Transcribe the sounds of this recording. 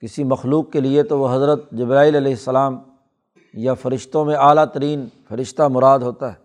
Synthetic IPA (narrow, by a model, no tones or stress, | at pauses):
kɪsimɐxluːkːeliet̪oʋoɦɐzɾət̪̚d͡ʒɪbɾaːilɐlɛːɦɪsːɐlaːm | jafɐɾɪʃt̪õmẽaːlat̪ɐɾiːnfɐɾɪʃt̪amʊɾaːd̪ɦoːt̪aɦɛː